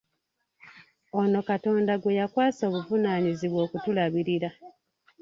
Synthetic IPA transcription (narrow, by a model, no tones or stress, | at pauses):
o̞no̞kato̞ːndaɡwe̞jakwaːso̞ːβuvunaɲiziβwo̞ːkutulaβiɾiɾa